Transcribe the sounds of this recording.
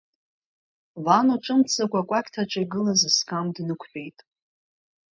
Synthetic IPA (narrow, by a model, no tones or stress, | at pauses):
vanoʈ͡ʂʼɨmt͡sʰakʷakʷʼakʲtʰaʈ͡ʂʰʼaɡɨlazɨskʰʼamdnɨkʷʰħe̞jtʼ